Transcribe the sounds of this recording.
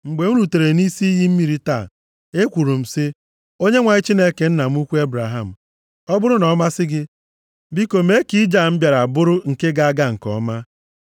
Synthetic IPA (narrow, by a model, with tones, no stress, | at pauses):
ŋ͡m̩˨ɡ͡be˨ŋu˦ɾu˨te˨ɾe˨ni˦si˦i˦ɦi˦m̩˦mi˦ɾi˦ta˦˨ | e˦kʷu˨ɾu˨m̩˨sɪ˦ | o˦ɲe˦ŋʷa˨ɲɪ˦t͡ʃi˦ne˦ke˨n̩˦na˨m̩˦u˦kʷu˦e˦bɾa˨ɦa˦˨m̩˨ | ɔ˦bʊ˦ɾʊ˦nɔ˨˦ma˦sɪ˦ɡɪ˦ | bi˦ko˨me˦ki˦d͡ʒa˦˨m̩˦bja˨ɾa˨bʊ˦ɾʊ˦ŋ̩˨ke˦ɡa˦a˦ɡa˦ŋ̩˨kɔ̰˨˦ma˦